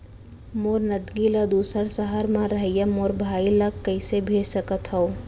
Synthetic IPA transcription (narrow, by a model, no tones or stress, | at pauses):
moːɾnəd̪ɡiləd̪uːsəɾsəɦəɾmãɾəɦəjəmoːɾbʱaːiləkkːəɪsebʱeːsəkət̪ɦəo